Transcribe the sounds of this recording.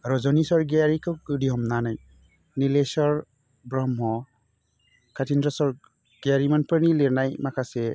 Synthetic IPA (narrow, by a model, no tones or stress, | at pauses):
ɾɔzɔnisɔɾɡeaɾikʰɯɯdiɦɔmnanaj | nilesɔɹ | bɾɔmɦɔ | kʰatʰindɾɔsɔɾ | ɡ̥eɾimanpɯɾniliɾnajmakʰasɛ